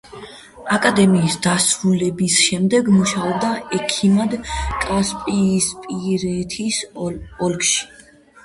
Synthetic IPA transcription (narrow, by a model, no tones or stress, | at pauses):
akʼad̪ɛmiːsd̪asɾulɛbisʃɛmd̪ɛɡmuʃaɔb̚d̪aʔɛkʰimad̪kʼaspʼiːspʼiɾɛt̪ʰisɔlkʰʃi̥